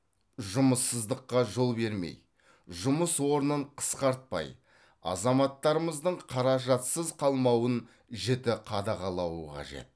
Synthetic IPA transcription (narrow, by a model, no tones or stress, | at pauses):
ʒʊməsːəzd̪əqːɑʒo̞lˠbe̞ɾme̞̰j | ʒʊməswo̞ɾənəɴqʰə̥sqɑɾt̪̚pɑ̰j | ɑ̰zɑmɑt̪ːɑɾəməzd̪əɴqʰɑɾɑʒɑt̪səzqʰɑlˠmɑwən | ʒet̪ɪqʰɑd̪ɑʁɑlˠɑwəqʰɑ̰ʒe̞̰t̪̚